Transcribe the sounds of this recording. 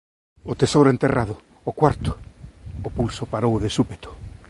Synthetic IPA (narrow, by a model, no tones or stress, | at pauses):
ʊt̪esowɾʊent̪eraðʊː | kwaɾt̪ʊ̥ː | pulsʊpaɾowðesupet̪ʊ̥